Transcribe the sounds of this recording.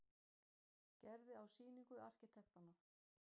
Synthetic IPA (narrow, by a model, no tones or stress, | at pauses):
cɛɾðɪawsiːniŋkʏa̰r̥cɪt̪ʰɛxt̪anːa